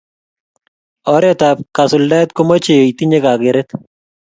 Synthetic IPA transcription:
ɔɾɛtap̚kasʊldatkomɔt͡ʃejoitiɲekakɪɾɛt

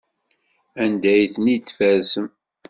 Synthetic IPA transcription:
ænd̪æjθnit̪ːfæɾsəm

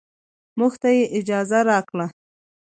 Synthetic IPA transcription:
muxt̪ajeʔɪd͡ʒɑzaɾɑkla

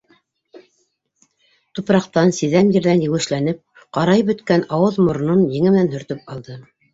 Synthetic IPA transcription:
t̪upɾɑqt̪ɑnsiðæmjɘ̆ɾðænjɘ̆wɘ̆ʃlænɘp̚ | qɑɾɑjbɵ̆t̪kænɑwɤðmŏɾ̆nonjɘ̆ŋɘ̆mɘ̆nænɦɵ̆ɾt̪ɵp̚ɑlˠd̪ɤ

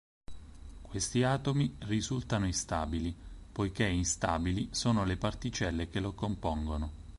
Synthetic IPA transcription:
kwest̪iaːt̪omirizult̪anoist̪a̰ːbilipojkeinst̪a̰ːbilisoːnolepart̪it͡ʃɛlːekelokompɔŋɡono

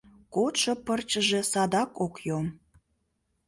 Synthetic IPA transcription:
kot̪ʃŏpərt͡ɕəʒesɑd̪ɑkokjom

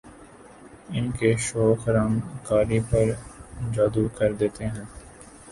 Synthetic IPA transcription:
ɪnkeʃoːkɐɾãːnkaːɾipɐɾd͡ʒaːd̪ukɐɾd̪eːt̪eɦɛ̃ː

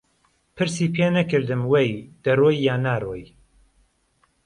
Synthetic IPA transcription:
pʰɨɾsiːpʰeːnɐkɨɾd̪ɨmwejd̪̥ɐroːjːaːnaːroːj

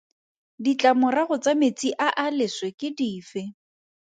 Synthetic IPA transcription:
dit͡ɬʼamʊraɣʊt͡samet͡sʼiʔaʔalɪswekɪdiːfɪ

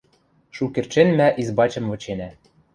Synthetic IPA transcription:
ʃukĕrt͡ɕenmæʔizbɑt͡ɕɤ̆mvɤ̆t͡ɕenæ

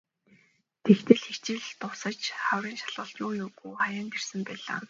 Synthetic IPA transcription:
t̪ʰext̪ʰɘ̆ɮxekt͡ɕɪ̆ɮt̪ʊsə̆t͡ɕχawriːnʃḁɮʊːɬt̪nuːjuɣuχajaːnɡ̪ersə̆mpæːɮa̰ː

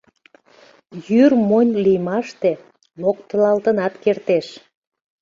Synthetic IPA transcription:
jyrmonʲlijmɑʃt̪e | nok̚t̪əlɑlt̪ənɑt̪kert̪eʃ

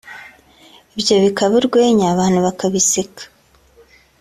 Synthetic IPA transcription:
ibjoβikaβuɾɡwe̞ːɲaːβaːn̥huβakaβisikḁ

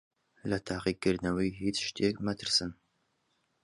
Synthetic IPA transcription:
lɐt̪ʰaːqiːɡɨrnɐwiːɦit͡sʃt̪ʰekmɐt̪ʰɨrsɨn

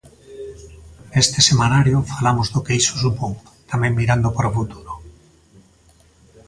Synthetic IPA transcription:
est̪esemanaɾjofalamozðokeijsosupoŋ | t̪amɛ̃ŋmiɾand̪opaɾfut̪uɾo

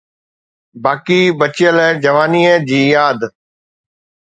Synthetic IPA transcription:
baːkiːbət͡ɕɪjəlɛ̃ːd͡ʒəʋaːniːed͡ʑiːjaːd̪

